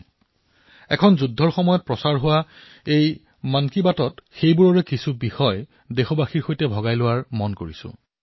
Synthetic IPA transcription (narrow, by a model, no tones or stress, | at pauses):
ɛ̰kʰɔnzudʱːɔɹxɔmɔjɔt̚pɹɔsaɹɦʊwa | ej | mankibatɔtxejbuɹɔɹɛkisubixɔj | dexɔbaxiɹxojtɛbʱɔɡajlʊwaɹmɔnkoɹisʊ̰̃